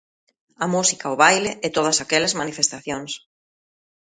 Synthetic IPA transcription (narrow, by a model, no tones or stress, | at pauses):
ɐmusikaʊβajleʔet̪oð̞ɐsakɛlezmanifest̪aθjoŋs